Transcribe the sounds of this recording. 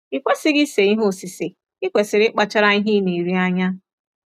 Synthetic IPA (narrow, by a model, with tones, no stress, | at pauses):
i˨kʷe˦sɪ˦ɡɪ˦se˨i˦ɦʊ˦˨sɪ˨sɪ˨ | ɪ˦kʷe˨sɪ˨ɾɪ˦k͡pa˨t͡ʃa˦ɾa˦i˦ɦi˦ni˨ɾi˦a˦ɲa˦